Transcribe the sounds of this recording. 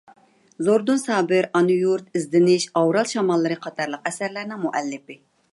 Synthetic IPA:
zoɾd̪unsɑːbɪɾɑnujuɾt̪ɪzd̪ɪnɪʃɑwɾɑlˠʃɑmɑlˠːɨɾɨqʰɑt̪ʰɑɾlˠəqɛsæɾlæɾnɪŋmuʔɛlːɪpɪ

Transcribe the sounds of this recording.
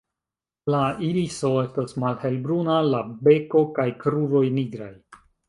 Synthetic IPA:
lailiso̞e̞stosmalhe̞lbɾunalabe̞ko̞kajkɾuvo̞jniɡɾaj

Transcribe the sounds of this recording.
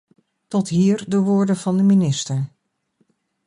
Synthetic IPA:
tɔtɦiːɹdəʋʊːɹdəvɑndəminɪstəɹ

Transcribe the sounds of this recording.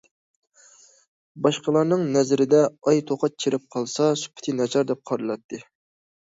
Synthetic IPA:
bɑʃqəlˠɑɾnɨŋnɛzɾɪd̪ɛɑjt̪ʰoqʰɑt̪̚t͡ʃʰeɾɪp̚qʰɑlˠsɑsy̥pʰɪ̥t̪ʰɨnɛt͡ʃʰɑɾd̪ɛp̚qʰɑɾɨlˠɑt̪ʰːɨ

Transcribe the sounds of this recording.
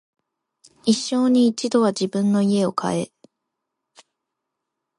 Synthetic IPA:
iɕːo̞ːɲ̟iːt͡ɕid̪o̞βaʑibɯ̟̃nːo̞ie̞o̞kʰa̰e̞

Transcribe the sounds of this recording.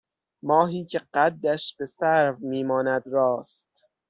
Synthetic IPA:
mɒːɦiːcʰe̞ɢæd̪ːæʃb̥e̞sæɾvmiːmɒːnæd̪ɾɒːst̪

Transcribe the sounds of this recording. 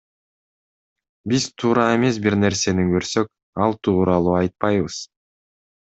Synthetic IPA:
bizt̪ʰuːɾɑe̞me̞s̬biɾne̞ɾse̞niŋɡøɾsø̞k̚ | ɑlˠt̪ʰuːɾɑlˠuːɑjt̪̚pɑjβɯz̥

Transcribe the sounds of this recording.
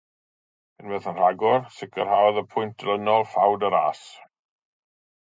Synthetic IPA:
ənwɛθənr̥aɡʊrsɪkʰərhaðəpʰʊjntʰlənɔlˠfawdəɾa̰ːs

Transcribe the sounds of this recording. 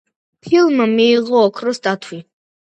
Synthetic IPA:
pʰilmamiːʁɔɔkʰrəsd̪at̪ʰwi

